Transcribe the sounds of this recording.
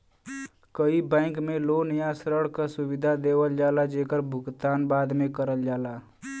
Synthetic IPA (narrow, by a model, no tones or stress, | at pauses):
kəibɛ̃ːŋkmẽlonjasɾəɽkəsʊwɪd̪ʱad̪eːwəld͡ʒaːlad͡ʒeːkəɾbʱʊɡt̪aːnbaːd̪mẽkəɾəld͡ʒaːlaː